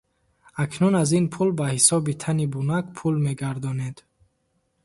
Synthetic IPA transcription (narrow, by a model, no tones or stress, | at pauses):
akʰnunazinpʰulbahisɔbit̪ʰanibunaɡpʰulme̞ɡaɾd̪ɔned̪̥